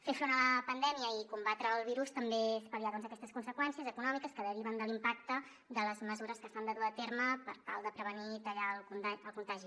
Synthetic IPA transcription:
fefɾonələpənd̪ɛmiəikumbat̪ɾəːlˠβ̞iɾust̪əmbespəðiaðɔnzəkɛst̪əskunsəkwɛnsiəzəkunɔmikəskəðəɾiβənd̪əlimpak̚t̪ə | d̪ələzməzuɾəskəsand̪əðuət̪eɾməpəɾt̪a̰lˠd̪əpɾəβ̞ənit̪əʎalˠkunaəlˠkunt̪aʒi

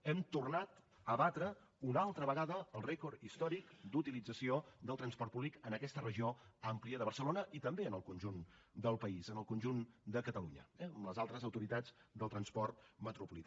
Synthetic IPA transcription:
ɛmt̪urnat̪ | əβat̪ɾə | unalˠt̪ɾəβəɣaðəːlˠrɛkurt̪ist̪ɔɾikd̪ut̪ilid͡zəsiod̪əlˠt̪ɾənspɔrt̪̚puβlikənəkɛst̪ərəʒioampliəðəβ̞ərsəlonəʔit̪əmbeənəlˠkunʲʒund̪əlˠpəizənəlˠkunʲʒund̪əkət̪əluɲə̰ɛəmləzalˠt̪ɾəzəwt̪uɾit̪ad͡zd̪əlˠt̪ɾənspɔrt̪̚mət̪ɾupulit̪

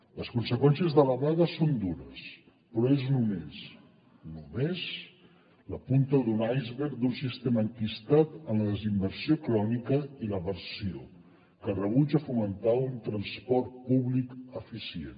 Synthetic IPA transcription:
ləskunsəkwɛns̬ijəzðələβaðəsond̪uɾəs | pɾɔeznumes | numez | ləpunt̪əlˠd̪unajzβeɾd̪unsist̪eməːŋkist̪at̪ənləðəzimbəɾsiokɾɔnikəiləβəɾsio | kərəβ̞ud͡ʒəfumənt̪aunt̪ɾənspɔɾt̪̚puβlikəfisiḛn

